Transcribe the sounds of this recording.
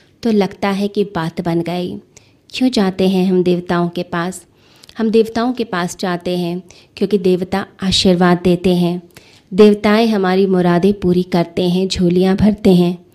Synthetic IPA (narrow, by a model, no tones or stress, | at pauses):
t̪olɐɡt̪aɦɛkibaːt̪bɐnɡɐḭː | kjõd͡ʒaːt̪eɦɛ̃ɦɐmd̪eːʋt̪aːõkepaːs | hɐmd̪eːʋt̪aːõkepaːsd͡ʒaːɦt̪eɦɛ̃ | kjõːkid̪eːʋt̪aaːʃiɾʋaːd̪ːeːt̪eɦɛ̃ː | d̪eːʋt̪aːẽɦɐmaːɾimʊɾaːd̪ẽpuːɾikɐɾt̪eɦɛ̃d͡ʒʱoːlijãbʱɐɾt̪eɦɛ̃ː